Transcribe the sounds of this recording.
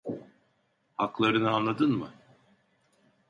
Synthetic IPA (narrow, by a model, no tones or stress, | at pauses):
haklˠaɾɯnɯanlˠad̪ɯnmɯ